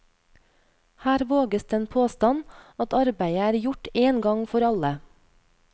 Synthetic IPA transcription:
hæːɾʋoːɡəsd̪eːnpʰoːst̪ɑnɑt̪ɑɾbæɪəæːɾjʊʈeːnɡɑŋfɔɾɑlə

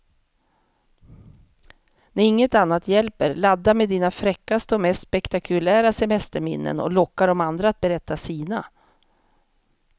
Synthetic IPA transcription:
næɾɪŋːət̪anːat̪jɛlpəɾlad̪ːamed̪iːnafɾɛkːast̪əɔmɛst̪spɛkt̪akʰɵlæːɾasɛmɛst̪əɾmɪ̰nːə̰nɔ̰lɔkːaɖɔmand̪ɾat̪̚bɛɾɛt̪ːasiːna

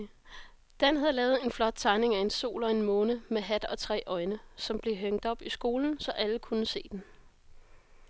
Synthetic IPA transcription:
d̥enɦæð̩ˠlɛːʊð̞̩ˠe̝nflɒ̽d̥̚t͡sʰɑ̈ɪne̝ŋæe̝nso̝̰ːlɒ̽e̝nmɔ̽ːnəmeɦæd̥ɒ̽t͡sʰʁɛ̰ːʔɒ̽ɪnəsɒ̽mb̥le̝ɦøŋ̰d̥ɒ̽b̥isɡ̥o̝ːln̩sɒ̽ʔæləkʰunəse̝̰ːd̥en

